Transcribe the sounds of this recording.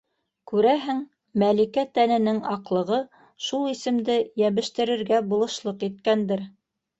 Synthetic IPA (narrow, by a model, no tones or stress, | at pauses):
kʉɾæɦɘŋ | mælikæt̪ænɘ̆nɘŋɑqlˠɤ̆ʁɤ | ʃulˠisɘ̆md̪ɘjæβɘ̆ʃt̪ɘ̆ɾɘ̆ɾɡæbulˠɤ̆ʃlˠɤqit̪̚kænd̪ɘɾ